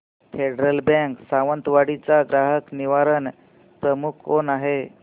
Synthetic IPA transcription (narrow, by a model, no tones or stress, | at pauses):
feɖɾəlbɛ̃ŋksaʋənt̪ʋaɽit͡saɡɾaɦəkniʋaɾən | pɾəmukʰːonaɦe